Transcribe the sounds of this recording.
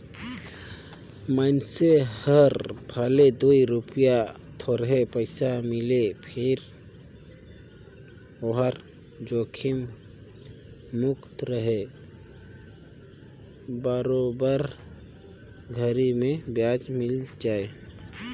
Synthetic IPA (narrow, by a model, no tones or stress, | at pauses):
mənsehəɾbʱəled̪uiɾupija | t̪ʰoɾɦepəɪsamɪlepʰɪɾ | oɦəɾ | d͡ʒokʰim | ʊkt̪ɾəɦe | bəɾobəɾ | ɡʱəɾimẽbjad͡ʒmɪld͡ʒaːe